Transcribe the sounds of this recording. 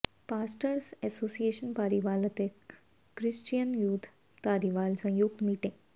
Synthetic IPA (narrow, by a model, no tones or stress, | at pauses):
paːsʈəɾsesoːsieːʃɐnpaːɾiʋaːlɐt̪e | kɾist͡ʃijɐnjuːt̪ʰ | t̪aːɾiʋaːlsɐ̃juɡmiːʈĩŋ